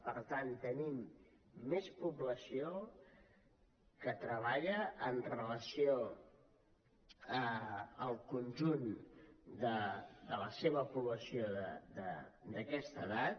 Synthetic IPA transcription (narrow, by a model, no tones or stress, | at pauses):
pəɾt̪ant̪ənimː | espuβləsio | kət̪ɾəβ̞aʎəːnrələsio | əəlˠkunʲʒund̪əd̪ələseβ̞əpuβləsioðəd̪əd̪əkɛst̪əðat̪